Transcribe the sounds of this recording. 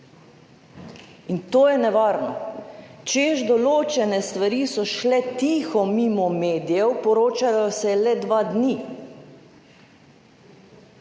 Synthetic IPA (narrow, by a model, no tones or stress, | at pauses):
int̪oːjɛnɛʋaːɾnɔt͡ʃeʒd̪ɔloːt͡ʃɛnɛst̪ʋaɾisɔʃlɛt̪iːxɔmiːmɔmeːd̪ijɛwpɔɾoːt͡ʃajɔsɛlɛd̪ʋaːd̪ni